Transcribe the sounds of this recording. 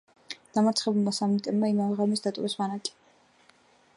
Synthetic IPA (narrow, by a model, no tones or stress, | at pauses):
d̪̥amaɾt̪ʰχɛbulˠmasamit̪ʼɛbmaimavɛʁamisd̪at̪ʼɔvismanakʼi̥